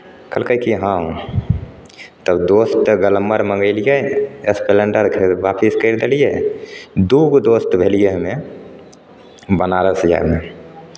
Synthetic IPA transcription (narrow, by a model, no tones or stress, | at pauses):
kəlkəkiɦã | t̪əbd̪ost̪ɡələmːəɾmə̃ŋɡəɪlijəespeləɳɖəɾkʰeʋapʰiskəɪɾd̪elije | d̪uɡd̪ost̪bʱelijeɦme | bənaɾəsəd͡ʒa̰jme